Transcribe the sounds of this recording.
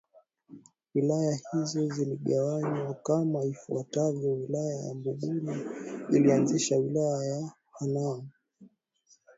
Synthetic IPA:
wilajahizɔziliɠawaɲwakamaifuatavjɔwilajaja̰mbuɠuliilianziʃawilajaja | hanamu

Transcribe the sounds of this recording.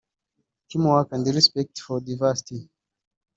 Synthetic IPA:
kʰimɔwakãndiɾispɛk̚tfɔdavasi̥ti

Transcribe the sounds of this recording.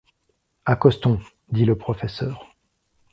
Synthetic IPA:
akɔst̪ɔ̃ | d̪iləpχɔfɛsœːʁ

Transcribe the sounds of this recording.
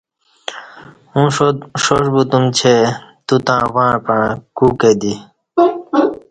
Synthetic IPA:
ũʂoʂbut̪umt͡ɕʰet̪ut̪ãːwãːpãːkuked̪i

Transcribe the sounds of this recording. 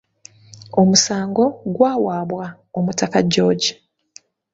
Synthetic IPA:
omusaːŋɡo̞ɡwaːwaːβwa | omutakaɟːo̞ːɟi̥

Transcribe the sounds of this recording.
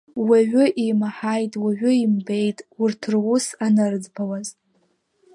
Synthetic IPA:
waʒʷʊʔimaħajtʼwaʒʷᶣʊimbe̞jtʼʊrtʰɨrwʊsanɨrd͡zbawaz

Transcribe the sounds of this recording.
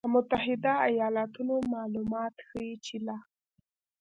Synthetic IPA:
əmʊt̪aɦɪd̪aajɑlat̪unomɑlumɑt̪xəjit͡ʃɪla

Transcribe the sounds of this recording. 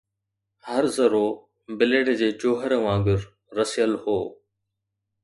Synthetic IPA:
həɾzəɾoː | bɪleɽd͡ʑeːd͡ʑoːɦəɾəʋãːɡɪɾː | əsijəlhoː

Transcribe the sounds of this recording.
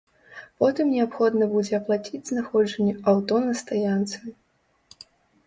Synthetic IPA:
pɔt̪ɨmnʲɛapxɔd̪nɐbud͡zʲɛɐplˠat͡sʲid͡zʲznaxɔd͡ʐɐnʲːɛawt̪ɔnɐst̪ajant̪sɨ

